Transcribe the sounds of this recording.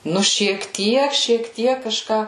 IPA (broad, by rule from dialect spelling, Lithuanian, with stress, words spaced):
ˈnʊ ʃʲiɛk ˈtʲiɛk ʃʲiɛk ˈtʲiɛk kɐˈʃkɑː